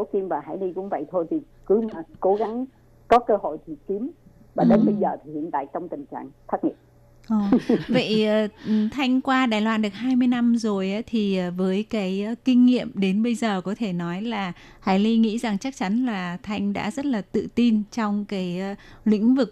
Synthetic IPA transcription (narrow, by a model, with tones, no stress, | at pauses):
so˨˦ki˧mvaː˨˩ɦa̰ː˧˩jli˧kʊ̰˧˥ŋ͡mvə̰˧˨jt̪ʰo˧jt̪ʰi˨˩ | kɨ˨˦maː˨˩ko˨˦ɣa˨˦ŋ | kɔ˨˦kəː˧ho̰˧˨jt̪ʰi˨˩ki˨˦əm | vaː˨˩ɗe˨˦nɓə˧jzəː˨˩t̪ʰi˨˩hḭ˧˨ənt̪a̰ː˧˨jt͡ɕɔ˧wŋ͡mt̪ï˨˩ŋ̟t͡ɕa̰ː˧˨ŋt̪ʰaː˦˥k̚ŋḭ˧˨əm | ʔɔː˨˩və̰˧˨jəː˨˩˨t̪ʰa˧jŋ̟kwaː˧ɗaː˨˩jlwaː˧nɗɨ˨˩ək̚haː˧jmɨ˧əjna˧mzo˨˩jʔaː˨˦t̪ʰi˨˩ʔəː˨˩vəː˨˦jkaː˨˦jkï˧ŋ̟ŋḭ˧˨əmɗe˨˦nɓə˧jzəː˨˩kɔ˨˦t̪ʰe˧˩nɔ˨˦jlaː˨˩ | haː˧˩jli˧ŋḭ˧˥za˨˩ŋt͡ɕa˦˥k̚t͡ɕa˨˦nlaː˨˩t̪ʰa˧jŋ̟ɗa̰ː˧˥zə˦˥t̚laː˨˩t̪ɨ̰˧˨t̪i˧nt͡ɕɔ˧wŋ͡mkaː˨˦jlḭ˧˥ŋ̟vɨ˨˩k̚